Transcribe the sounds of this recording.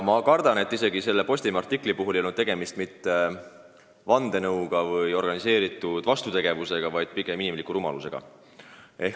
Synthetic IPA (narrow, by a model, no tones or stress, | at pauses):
mɑkɑrd̪ɑne̞t̪ːˑise̞ɡise̞lːe̞po̞sʲt̪imɑrt̪ːˑikːˑlipuɦulejolnud̪e̞ɡ̥e̞mist̪mit̪ːe̞ | vɑnd̪̥e̞nɤwɡ̥ɑvɤjo̞rɡ̥ɑnise̞ːɾit̪ːˑud̪̥vɑst̪ut̪e̞ɡ̥e̞vuse̞ɡ̥ɑvɑjd̪̥̚piɡ̥e̞minimlikːuɾumɑ̰luse̞ɡ̥ɑ̰ | e̞h